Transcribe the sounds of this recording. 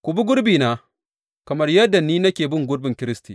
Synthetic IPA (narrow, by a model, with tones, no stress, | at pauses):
kʷʊ˨bi˦ɡʷʊ˦ɽbiː˨naː˨˦ | kɐ˨mɐ˦rjɐ˦dːa˨nːiː˦nɐ˦kʲeː˨bɪ˦ŋɡʷʊ˦ɽbɪ˨ŋkʲɪ˦ɾɪ˦stiː˨